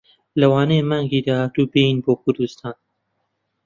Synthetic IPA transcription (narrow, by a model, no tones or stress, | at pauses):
lɐwaːnejmaːŋɡid̪aːhaːt̪uːbejinboːkʰʊɾd̪ust̪ʰaːn